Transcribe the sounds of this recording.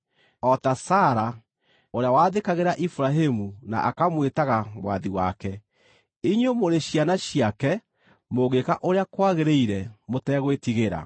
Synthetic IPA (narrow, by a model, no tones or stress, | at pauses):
ɔtasaːɾa | oɾeawaːðekaɣeɾaʔifuɾaɦemuna̰ʔakamwetaɣamwa̰ðiwa̰kɛ | iɲomoɾeʃianaɕiakɛ | moɣekaʔoɾeakwaɣeɾeiɾɛmotɛɣwetiɣeɾa̰